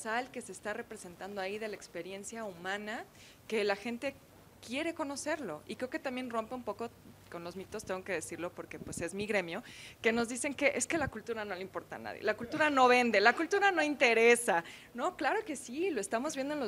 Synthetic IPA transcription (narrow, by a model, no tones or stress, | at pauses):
salke̞se̞ːst̪are̞pɾese̞nt̪and̪oaiðe̞laekspe̞ɾje̞nsjaumãna | ke̞laxe̞nt̪e̞ | kje̞ɾe̞ko̞no̞se̞ɾlo̞̰ikɾeoket̪ambjenro̞mpeumpo̞ko̞ | ko̞nlo̞zmĩt̪o̞st̪eŋɡoke̞ð̞e̞siɾlo̞po̞ɾke̞pwe̞se̞zmiɣɾe̞mjo̞ke̞no̞zðise̞ŋke̞ʔe̞ske̞lakult̪uɾano̞leimpo̞ɾt̪a̰na̰ðjḛlakult̪uɾano̞βe̞nd̪e̞lakult̪uɾano̞int̪e̞ɾesa | no̞klaɾo̞ke̞silo̞e̞st̪amo̞zβje̞nd̪oenlo